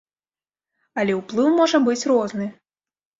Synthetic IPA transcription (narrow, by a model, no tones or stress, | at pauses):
ɐlʲɛwplˠɨwmɔʐɐbɨt͡sʲrɔznɨ